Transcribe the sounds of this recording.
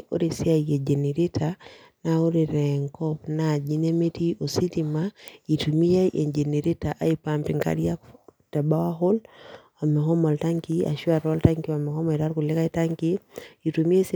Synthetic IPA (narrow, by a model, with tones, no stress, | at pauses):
o̰˦ɾi˨sɪ˦a˨ie˨d͡ʒe˨ne˨ɾi˦tʰa˨ | nao˦ɾi˨ɾɛ˨ŋkɔ˦pna˨d͡ʒi˦ne˦me˦ti˦o˨si˦ti˨ma˦i˨tu˨mi˦ja˦iʔe˨d͡ʒe˨ne˨ɾi˦ta˨ʔa˦i˦pa˨mpɪ˨ŋka̰˦ɾja˦kta˨ba˦wa˦ɦʊ˦l | a˨mɛ˨ɦɔ˦mɔ˨lta˦ŋki˦a̰˨ʃwa˨ɾɔ˦lta˦ŋki˦a˨mɛ˨hɔ˦mɔ˨i˨ɾa˦ɾku˨lɪ˦ka˦i˦ta˦ŋki˦i˨tu˨mi˦e˦s